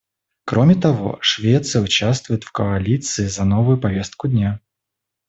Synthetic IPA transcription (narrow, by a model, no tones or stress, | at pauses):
kɾo̞mʲɪt̪ɐvo̞̰ʂvʲet̪sɨjəʊt͡ɕast̪vʊjɪt̪fkoɐlʲit̪sɨɪzɐno̞vʊjʊpɐvʲest̪̚kʊd̪ʲnʲa